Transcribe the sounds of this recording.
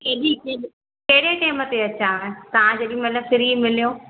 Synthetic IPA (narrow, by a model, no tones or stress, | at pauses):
keɗike | kɐɦɪɽeʈeːmət̪eɐt͡ɕãẽt̪ɐʋ̤ãd͡ʑeɗĩmɐləbfɪɾimɪlijoː